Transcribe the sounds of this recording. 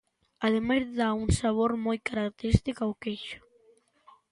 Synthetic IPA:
aðemajzðauŋsaβoɾmojkaɾakt̪eɾist̪ikawkejʃʊ̥

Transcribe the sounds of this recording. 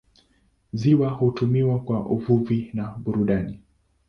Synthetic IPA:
ziwahutumiwakwaʔuvuvinaɓuɾuɗani

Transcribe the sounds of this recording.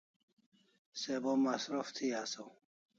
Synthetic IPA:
sebomasɾoft̪ʰiasow

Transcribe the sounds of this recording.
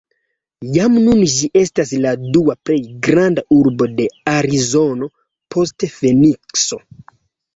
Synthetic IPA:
jamnunʒiʔe̞stasladuaple̞jɡɾandaʔuɾbo̞de̞aɾizo̞no̞ | pʰo̞stefe̞nikso̞

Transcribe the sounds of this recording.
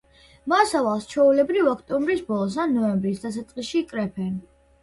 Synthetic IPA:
masavalˠst͡ʃʰɛulɛbɾivɔkʰt̪ʼɔmbɾisbɔlˠɔs̬anɔɛmbɾisd̪asat̪sʼqʼiʃikʼɾɛpʰɛn

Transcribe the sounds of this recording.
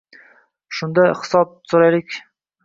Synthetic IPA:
ʃʊnd̪ahɪ̥sɒb̚soɾajlɪkʲ

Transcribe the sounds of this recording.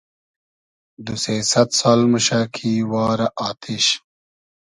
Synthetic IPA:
d̪useːsɐt̪saːlmuɕakʰiːwɑːɾɐʔaːt̪ʰiɕ

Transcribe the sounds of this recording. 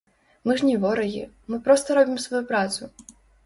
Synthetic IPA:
mɨʐnʲɛvɔɾɐɣʲḭ | mɨpɾɔst̪ɐɾɔbʲimsvɐjupɾat̪su

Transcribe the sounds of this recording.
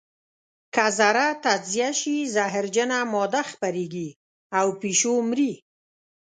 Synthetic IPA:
kazaɾat̪ad͡ʒzijaʃizaɦɪɾd͡ʒənamɔd̪axpaɾeɡi | awpiʃomɾi

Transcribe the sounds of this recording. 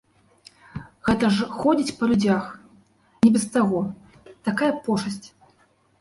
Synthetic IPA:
ɣɛt̪ɐʐxɔd͡zʲit͡sʲpɐlʲud͡zʲax | nʲɛbʲɛst̪aɣɔ | t̪akajɐpɔʂɐsʲt͡sʲ

